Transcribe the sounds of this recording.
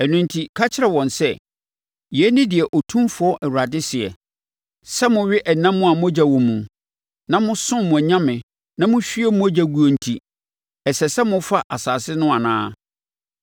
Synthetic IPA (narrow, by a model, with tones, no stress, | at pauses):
ɛ˨nũ˨ntʰi˨kʰa˦t͡ɕʰɪ˦ɾɛ˨wɔ̃˨nsɛ˦ | jɛ˨˦nɪ̃˦dɪ˨ɛ˨ʔɔ˨tʰũ˦mfʊ˨ɔ˦ʔɛ˨wu˨ɾa˨dɪ˦sɪ˨ɛ̰˨ | sɛ˦mʊ̃˨ɥɪ˦ʔɛ˨nã˦mːʊ̃˦a˨mʊ̃˦æ˦d͡ʑa˨wɔ̃˨mũ˨ | nã˦mʊ̃˦sʊ̃˦mũ˨æ˨ɲã˦mɪ̃˨ | nã˦mʊ̃˦ɕᶣi˦ɛ˦mʊ̃˦æ˦d͡ʑa˨ɡu˨o˨n̩˨tʰi˨ | ɛ˨sɛ˨sɛ˦mʊ̃˦fa˦ʔa˨saː˨sɪ˦nʊ̃˦a˨nã̰ː˦